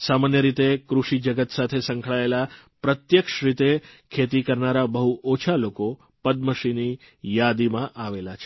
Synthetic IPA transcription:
samanjəɾit̪ekɾuʃid͡ʒəɡət̪sat̪ʰesə̃ŋkʰɭaela | pɾət̪jəkʃɾit̪ekʰet̪ikəɾnaɾabəɦuʔot͡ʃʰaloko | pəd̪̚məʃini | jad̪imãʔaʋelat͡ʃʰe

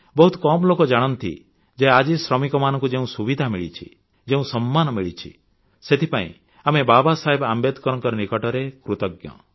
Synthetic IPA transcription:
bɔɦut̪kɔmlokɔd͡ʒaɽ̃ɔnt̪ḭ | d͡ʒead͡ʒisɾɔmikɔmanɔŋkud͡ʒeũsubid̪ʱamiɭḭt͡ʃʰḭ | d͡ʒeũsɔmːanɔmiɭit͡ʃʰḭ | set̪ʰipaḭ̃ | amebabasaɦebambed̪kɔɾɔŋkɔɾɔnikɔʈɔɾekɾut̪ɔɡjɔ̰

